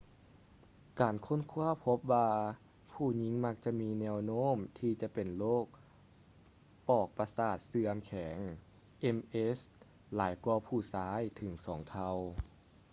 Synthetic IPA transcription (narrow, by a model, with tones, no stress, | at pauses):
kaː˨˩nkʰo˧˥˨nkʰu˧˥˩ɐpʰo˧˦˥p̚waː˧ | pʰuː˧˩ɲi˧˥ŋma˧˥k̚t͡ɕa˧˨miː˧˥nɛː˧wnoː˥˨mt̪ʰiː˧t͡ɕa˧˨pe˨˩nloː˥˩k̚ | ʔɔː˨˩k̚pa˧saː˧˨˩t̪̚sɯ˧əmkʰɛː˩˦ŋ | ʔe˧˥mʔe˧˦˥s | laː˩˦jku˧ɐpʰuː˧˩saː˧˥jt̪ʰɯ˩˦ŋsɔː˩˦ŋt̪ʰa˧w